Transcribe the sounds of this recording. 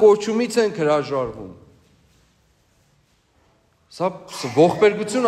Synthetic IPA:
kɔɾt͡ʃʰumit͡sʰɛŋkʰhəɾɑʒɑɾvṵm | sɑvɔχpɛɾɡut͡sʰjun

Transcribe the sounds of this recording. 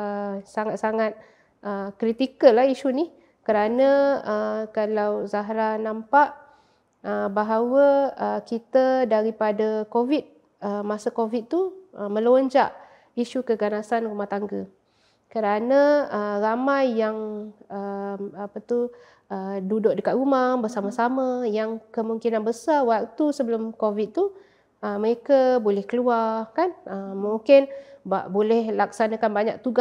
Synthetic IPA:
əsaŋat̪̚saŋat̪̚ | ʔəkɾit̪ikəlahiʃunih | kəɾanə̃əkalawzaɦɾanãmpaʔ | əbaɦawəəkit̪ədaɾipadəkovit̪̚ | əmasəkovit̪̚t̪uəmə̃loɲd͡ʒaʔ | iʃukəɡanasanrumaht̪aŋɡə | kəɾanə̃əramajːaŋəmapat̪u | ədudʊʔ̚dəkat̪̚rumahbəsaməsamə̃jaŋkəmuŋkinanbəsawaʔ̚t̪usəbəlʊmkovit̪̚t̪u | əməɾekabolɛhkəluakanəmuŋkɪnbaʔbolɛhlak̚sanəkanbaɲa̰k̚t̪uɡa

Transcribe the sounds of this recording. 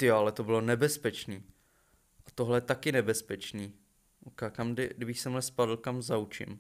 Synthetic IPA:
t̪ɪjoalɛt̪o̞bɪlo̞nɛbɛspɛt͡ʃniː | ʔat̪oɦlɛjɛt̪akɪnɛbɛspɛt͡ʃniː | ʔokakamdɪdɪbɪxsɛmlɛspadl̩kamzaut͡ʃɪ̰m

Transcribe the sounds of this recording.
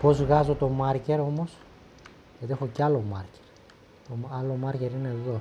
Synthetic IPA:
po̞zɣɐzo̞t̪o̞mɐɾce̞ɾo̞mo̞s | ʝɐt̪iexocɐlomɐɾce̥ɾ | t̪omɐlo̞mɐɾce̞ɾineðo̞

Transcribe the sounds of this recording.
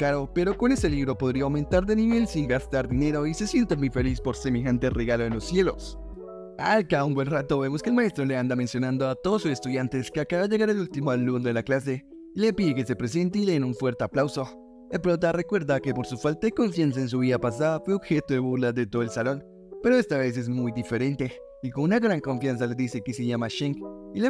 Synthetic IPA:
kaɾo̞pe̞ɾo̞ko̞ne̞se̞liβɾo̞po̞ðɾiawmẽ̞nt̪aɾðe̞niβe̞lsiŋɡast̪aɾðine̞ɾo̞ise̞sje̞nt̪amuife̞lispo̞ɾseme̞xant̪e̞reɣaloenlo̞sːje̞lo̞s | alkaumbwe̞nrat̪o̞βe̞mo̞skelmae̞st̪ɾole̞and̪amensjonãnd̪o̞at̪o̞ðosuse̞st̪uðjant̪e̞skeakaβaʝe̞ɣaɾelult̪imoalund̪e̞laklas̬e̞ | ile̞piðekesepɾes̬ent̪̬iðenuɱfwe̞ɾt̪eaplawso̞ | elpɾot̪̬are̞kwe̞ɾðake̞po̞ɾsufalt̪aðeko̞ɱfjans̬aens̬uβ̞iapas̬aðafweo̞bxe̞t̪oðeβuɾlaðet̪oðelsalo̞n | pe̞ɾo̞e̞st̪aβe̞s̬e̞zmujd̪ife̞ɾe̞nt̪e̞ | ikonunaɣɾaŋko̞ɱfjans̬ale̞ðise̞keseʝamaʃeŋkile

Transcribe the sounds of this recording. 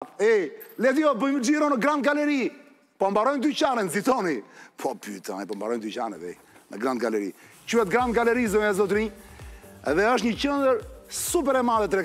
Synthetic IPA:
ɛlɛt̪ijɔbəməd͡ʒiɾɔnəɡɾãnd̪̚ɡalɛɾi | pɔmbaɾɔjnd̪yt͡ʃanɛnzit̪ɔnipʰɔpy̰t̪a̰pɔmba̰ɾɔjnd̪yt͡ʃa̰nɛ̰t̪ɛ̰i | nə̰ɡɾand̪ɡalɛɾḭ | cuhɛt̪ɡɾãnd̪̚ɡalɛɾizəmazɔt̪ɾiɲ | ɛ̰ðɛəʃt̪ɲət͡ɕɛnd̪əɾsup̬ɛɾɛmaðɛt̪ɾɛ

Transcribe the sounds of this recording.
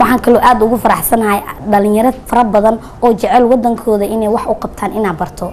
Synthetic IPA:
wɑħɑːŋkʰɐlɔːʔaːd̪ʊɣʊfɐɾɑħsɐnɐɦɛjɖɐlɪ̃ŋjɐɾɐfɐɾɐbɐðɐn | ɔːt͡ʃɛʕɛlwɑd̪ɐŋkʰɔːðɐʔɪnɛjwɑħʔʊqɑb̚t̪ʰaːnɪnaːd̪̚bɐrt̪ʰɔ

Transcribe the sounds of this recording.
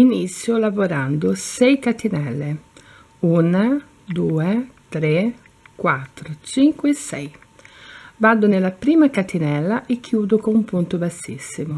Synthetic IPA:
init̪sːjolavoɾand̪ʊsɛjkat̪inɛlːe | una | d̪uːet̪ɾe | kwat̪ːɾot͡ʃiŋkwesɛ̰j | vad̪ʊnelːapɾiːmakat̪inɛlːaʔekːjuːd̪ʊkoumpunt̪ʊbasːḭsːimʊ

